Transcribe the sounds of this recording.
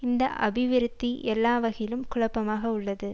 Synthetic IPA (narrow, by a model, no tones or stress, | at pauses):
ɪnd̪ɐʔɐbɪʋɪɾɯt̪ːiʔɛlːaːʋɐɣɐjɪlɯmkʊɭɐpːɐmaːɣɐʊɭːɐðɯ